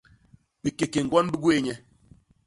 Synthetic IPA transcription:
ɓe˨ke˨ke˨ŋ̩˨ɡɔ˦n̩˦bu˦ɡu˦e˦˨ɲɛ˦

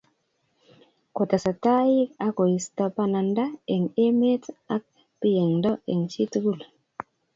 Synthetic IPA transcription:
ko˨ta˨sa˨ta˦ji˦ka˦ko˨i˨sta˨pa˦na˨nda˦e˨ŋe˦me˦ta˦k̚ | pi˦je˨ŋdɔ˦e˨ŋt͡ʃi˦tu˦ɡu˦˨l

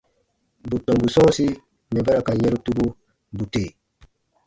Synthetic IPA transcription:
bu˨tːɔ˨mbu˨sɔː˦si˦ | mɛ˨bɛ˦ɾa˨ka˨je˦ɾu˦tu˦bu˦ | bu˨teː˨

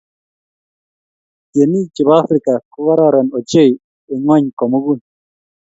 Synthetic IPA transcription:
je˨ni˦t͡ʃi˨ba˦fɾɪ˨ka˨kʊ˦ɣa˦ɾa˦ɾɔ˨nɔ˨t͡ʃe˦j | ɪ˨ŋɔ˦ɲkɔ˨mu˦ɡu˦˨n

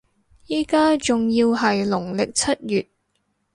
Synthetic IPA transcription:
jiː˨˥kaː˥t͡sʊ˨ŋjiː˧wɦɐ˨jlʊ˨˩ŋlɪ˨k̚t͡sʰɐ˥t̚jyː˨t̚

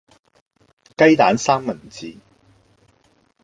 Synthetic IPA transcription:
kɐ˥jt̪aː˨˥nsaː˥ŋmɐ˨˩nt͡siː˨˧

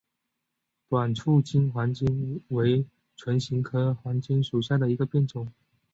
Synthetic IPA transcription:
t̪wa˨˩nʈ͡ʂʰu˥˩t͡ɕi˥nxwa˧˥nt͡ɕi˥˩nwe˧˥ɪ | ʈ͡ʂʰwə˧˥nɕi˧˥ŋkʰɤ˥xwa˧˥nt͡ɕi˥nʂu˨˩ɕ̬ja˥˩d̪ə˩i˧˥ɡə˧pjɛ˥˩nt͡sʊ˨˩˦ŋ

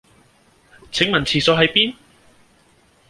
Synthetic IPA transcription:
t͡sʰɪ˨˥ŋmɐ˨˩nt͡sʰiː˨˩sɔː˨˧˥ɦɐ˨˥jpiː˥n

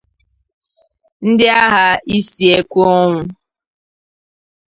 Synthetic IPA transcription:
n̩˦dɪ˦a˦ɦa˦i˦si˨e˦kʷu˦ɔ˦ŋʷʊ˦

